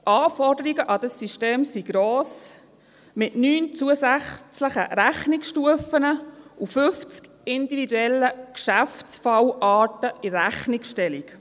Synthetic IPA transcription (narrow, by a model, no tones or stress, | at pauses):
ʔɑːfɔrdəɾiɡəʔɑd̥̪əsːiʃteːmsiɡɾoːs | mɪtnyːnt͡suəsæχt͡sləχə̰ɾæχniksʃtuəfənəufʏft͡sk | ɪndividuɛlːəkʃæft͡sfɑwʔɑːtəiɾæχnikʃtɛlik